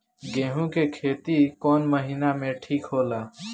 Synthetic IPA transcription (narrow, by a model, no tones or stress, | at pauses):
ɡeɦũkekʰet̪ikɔnməɦinameʈʰiːkɦola